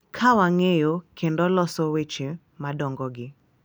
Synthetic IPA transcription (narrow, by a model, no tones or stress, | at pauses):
kʰawaŋejokʰendɔlɔsɔwet͡ʃe | madɔŋɡɔɡɪ